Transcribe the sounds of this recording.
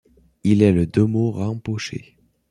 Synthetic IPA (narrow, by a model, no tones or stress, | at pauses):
ilɛləd̪ømoʁɑ̃poʃḛ